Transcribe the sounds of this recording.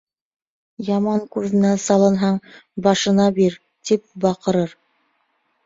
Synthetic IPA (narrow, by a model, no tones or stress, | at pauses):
jɑmɑŋkʉɾðɘ̆næsɑlˠɤ̆nɦɑɴbɑʃɤ̆nɑbiɾ | t̪ip̚bɑqɤ̆ɾɤɾ